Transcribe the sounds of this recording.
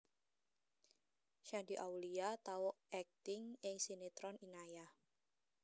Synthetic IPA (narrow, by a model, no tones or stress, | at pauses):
ʃandiʔawliat̪awɔʔɛk̚t̪ɪŋɪŋsinet̪ɾɔninaja